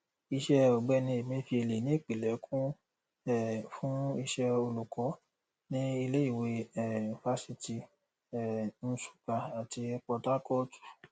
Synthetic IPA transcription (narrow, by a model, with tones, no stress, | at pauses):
i˧ʃɛ˧ɔ˨ɡ͡bɛ˧˦nĩ˧e˨mĩ˧˦fi˧e˧le˨nĩ˨˦e˦˨k͡pi˨lɛ˨˦kʰũ˦ | ɛ˦˨fũ˦i˧ʃɛ˧o˧lu˨kʰɔ˨˦ | nĩ˦i˧le˦i˦˨we˨˧ɛ˦˨n̩˨fa˦si˧ti˧ | ɛ˦˨ñ̩˧su̥˨ka˨a˨ti˧ɛ˧k͡pɔ˧ta˦kɔ˦tu̥˦˨